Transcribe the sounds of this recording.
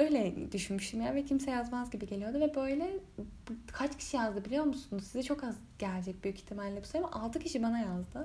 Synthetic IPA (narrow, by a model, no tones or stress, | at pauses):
ø̞jlʲɛd̪yʃynmyʃt̪ʰymjavɛcʰimsɛjazmazɟibiɟe̞lʲijo̞d̪uvɛbø̞jlʲɛbkʰat͡ʃcʰi̥ʃijazd̪ɯbilʲijo̞ɾmusunuzsizɛt͡ʃʰo̞kaz | ɟ̥æɾʲd͡ʒɛc̚byjyci̥t̪ʰimalʲːɛbusaamaʔalˠd̪ɯcʰiʃibanajazd̪ɯ